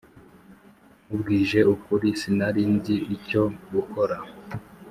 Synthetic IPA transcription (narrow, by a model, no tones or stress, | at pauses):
ubɡiːʒe̞ukuɾisinaɾiːnziβico̞ɡuko̞ɾa